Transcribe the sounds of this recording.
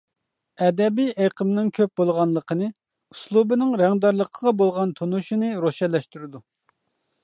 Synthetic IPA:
ɛd̪ɛbijʔeqʰəmnɪŋkʲʰøp̚bolˠʁɑnlˠəqʰənɨ | uslˠubɨnɨŋɾɛŋd̪ɑɾlˠəqʰəʁɑbolˠʁɑnt̪ʰonuʃinɨɾoʃɛt̪lɛʃt̪yɾɪd̪u

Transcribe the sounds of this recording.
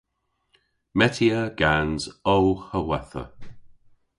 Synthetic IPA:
mɛtʰiəɡ̥anzowxəwɛθə̰

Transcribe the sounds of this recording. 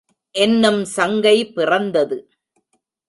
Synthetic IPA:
ʔɛnːɯmsɐŋɡɐɪpːɪrɐnd̪ɐðɯ

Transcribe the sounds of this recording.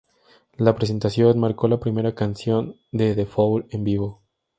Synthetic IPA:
lapɾes̬e̞nt̪asjo̞nmaɾko̞lapɾime̞ɾakansjo̞n | d̪eðefowlembiβ̞o̞

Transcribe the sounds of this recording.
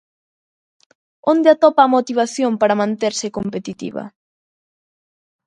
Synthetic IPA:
ond̪eat̪ɔpaːmot̪iβ̞aθjompaɾamãnt̪eɾsɪkompet̪it̪ḭβɐ̰

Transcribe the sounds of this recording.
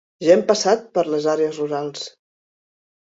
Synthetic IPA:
ʒempasat̪̚pəɾləzaɾeəzruɾalˠs

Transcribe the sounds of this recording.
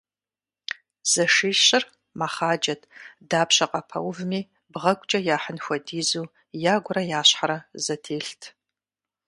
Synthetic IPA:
z̥ɐʂiːɬɕɪr | maχaːd͡ʒɐtʰʼdaːpʰɕɐqʼɐpʰɐ̰wvmiː | bʁɐɡʷʼt͡ʃʼɐjaːħənxʷɐdiːzuː | jaːɡʷʊrɐjaːɕħaɾɐzɐtʰeːɬtʰ

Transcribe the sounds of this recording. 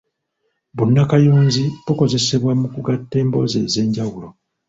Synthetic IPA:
βunːakajoːɲziβoko̞ze̞se̞βwamukuɡatːe̞ːmbo̞̰ze̞̰ːze̞ːɲɟawulo̞

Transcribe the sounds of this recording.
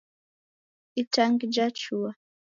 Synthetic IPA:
itaŋɡd͡ʒat͡ʃua

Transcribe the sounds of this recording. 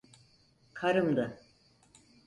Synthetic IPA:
kʰaɾɯmd̪ɯ

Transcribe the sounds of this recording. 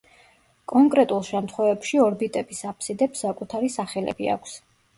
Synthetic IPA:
kʼɔŋkʼɾɛt̪ʼulˠʃɛmt̪ʰχwɛvɛpʃiɔɾbit̪ʼɛbisapʰsid̪ɛpsːakʼut̪ʰaɾisaχɛlɛ̰bia̰kʷʰs

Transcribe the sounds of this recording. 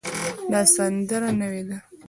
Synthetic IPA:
lɑsand̪əɾanəwed̪a

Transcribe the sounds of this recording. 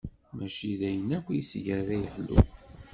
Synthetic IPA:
mæʃiðæjənækʷːjisʝəɾðæjəħlːṵ

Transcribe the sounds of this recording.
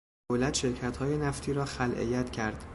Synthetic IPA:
olæt̪ʃe̞ɾcʰæt̪hɒːjenæft̪ʰiːɾɒːxælʔḛjːæt̪ʰcʰæɾd̪̥

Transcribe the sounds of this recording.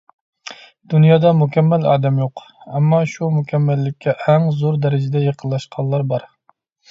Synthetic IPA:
d̪̥unjɑːd̪ɑmukʲʰɛmːælɑ̰ːd̪ɛmjoq | ɛmːɑʃumukʲʰɛmːælːɪkʲʰːɛʔæŋzoɾd̪ɛɾɪd͡ʒɛd̪ɛjeqʰəlˠːɑʃqʰɑllˠɑɾbɑɾ

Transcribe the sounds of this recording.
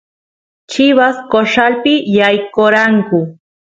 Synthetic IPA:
t͡ʃɪβaskoʂalpɪjajkoɾaŋkʊ

